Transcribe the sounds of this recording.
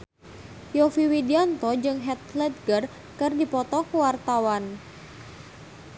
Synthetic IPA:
jɔfiwidiant̪ɔd͡ʒɨŋɦɛt̪ləd̪̚ɡər | kɨrdipɔt̪ɔkuwart̪awan

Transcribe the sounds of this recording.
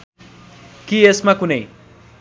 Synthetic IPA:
kiesmakunej

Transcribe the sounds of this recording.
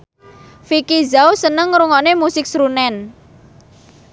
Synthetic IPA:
fikizawsənəŋɾuŋɔnemusɪk̚sɾunɛn

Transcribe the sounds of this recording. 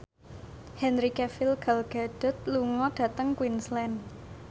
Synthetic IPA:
hɛnɾikɛfɪlɡ̥alɡ̥ad̥ɔ̤t̪̚luŋɔɖ̥ä̤t̪əŋkwinslɛn

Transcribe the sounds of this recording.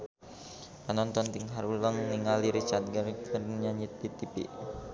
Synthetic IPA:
panɔnt̪ɔnt̪iŋɦaɾuləŋniŋaliɾit͡ʃart̪̚ɡərɡərɲaɲɪt̪̚pit̪ipḭʔ

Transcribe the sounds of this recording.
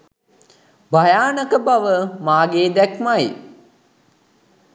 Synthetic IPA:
bajaːnəkəbaʋəmaːɡeːd̪ɛkmaj

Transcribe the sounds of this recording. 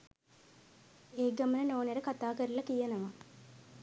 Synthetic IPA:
eːɡɐmənənoːneɾəkat̪aːkəɾilɐkijɐnəʋɐ

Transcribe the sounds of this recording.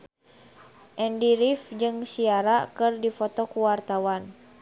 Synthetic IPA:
ʔɛndiɾifd͡ʒɨŋsiaɾakɨrdifɔt̪ɔkuwart̪awan

